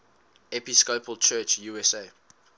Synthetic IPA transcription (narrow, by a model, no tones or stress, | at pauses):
ɛpiskopʰəlt͡ʃʰɜˑt͡ʃjuːɛse